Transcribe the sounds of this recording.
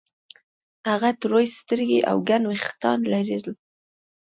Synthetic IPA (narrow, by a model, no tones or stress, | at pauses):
haɣat̪ɾojst̪əɾɡeʔa̰wɡanwext̪ɑ̰nlaɾil